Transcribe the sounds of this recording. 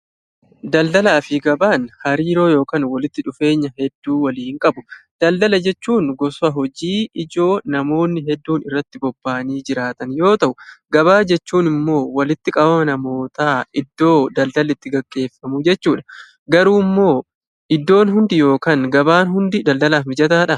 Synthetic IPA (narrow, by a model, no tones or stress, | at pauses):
d̪ɐld̪ɐlaːfɪɡɐbaːnhɐɾiːɾo̞ːjo̞ːkaːnwɐlɪt̪ːɪᶑʊfe̞ːɲːɐɦɛd̪ːuːwɐliːŋkʼɐbʊd̪̥ɐld̪ɐlɐd͡ʒɛt͡ʃːuːnɡɔsʊɐɦɔd͡ʒiːɪd͡ʒo̞ːnɐmo̞ːnːɪɦɛd̪ːuːnɪrːɐt̪ːɪbɔbːaːniːd͡ʒɪɾaːt̪ɐnjo̞ːt̪ɐʔʊɡɐβaːd͡ʒɛt͡ʃːuːnɪmːo̞ːwɐlɪt̪ːɪkʼɐbɐmɐnɐmo̞ːt̪aːɪd̪ːo̞ːd̪ɐld̪ɐlɪt̪ːɪɡɐɡʼːe̞ːfːɐmʊd͡ʒɛt͡ʃːuːᶑɐ̥ | ɡɐɾuːmːo̞ː | ʔɪd̪ːo̞ːnɦʊnd̪ɪjo̞ːkaːŋɡɐbaːnɦʊnd̪ɪd̪ɐld̪ɐlaːfɪd͡ʒɐt̪aːᶑɐ